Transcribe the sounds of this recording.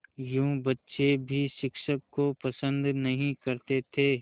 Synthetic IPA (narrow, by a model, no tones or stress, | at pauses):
jũːbɐtːʃebʱiʃɪkʃəkːopɐsə̃nd̪nɐɦĩkɐɾt̪et̪ʰeː